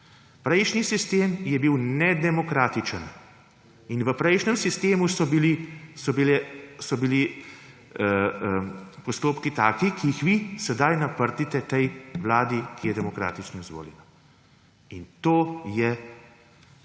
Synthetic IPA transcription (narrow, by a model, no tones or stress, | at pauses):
pɾɛjʃnisist̪eːmjɛbiwnɛd̪ɛmɔkɾaːt̪it͡ʃən | inʋəpɾɛjʃnɛmsist̪eːmusɔbilisɔbilɛsɔbili | pɔst̪oːpkit̪aːkikiːxʋisɛd̪ajnapəɾt̪it̪ɛt̪ɛjʋlaːd̪ikijɛd̪ɛmɔkɾa̰ːt̪it͡ʃnɔizʋo̰ːljɛ̰na | int̪oːjɛ